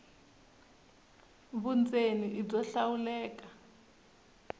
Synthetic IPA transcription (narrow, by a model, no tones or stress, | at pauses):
βund͡zeniʔib͡ʐɔɬawulɛːk̬ḁ